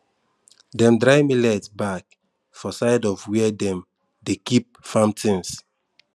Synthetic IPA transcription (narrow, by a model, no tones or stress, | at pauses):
dɛ̃mdɹaɪmilɛtbak | fɔsaɪdɔvwɛdɛ̃m | dekip̚fãmtʰĩns